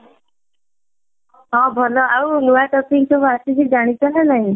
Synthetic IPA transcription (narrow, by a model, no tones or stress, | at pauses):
ɦɔ̃bʱɔlɔʔawnuaʈɔpik̚kʰobasikʰid͡ʒaɽ̃it̪ɔlanaɦĩ